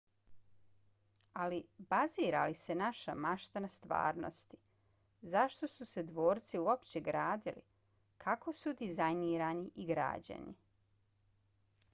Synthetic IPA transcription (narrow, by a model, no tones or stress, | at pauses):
alibaziːɾa̰lise̞naʃa̰maʃt̪anast̪ʋa̰ːɾno̰st̪i̥ | zaʃt̪o̞suse̞d̪ʋo̞ːɾt̪siuopt͡ɕeɡɾaːd̪ilḭ | kʰako̞sud̪izajniːɾaniʔiɡɾa̰ːd͡ʑa̰nḭ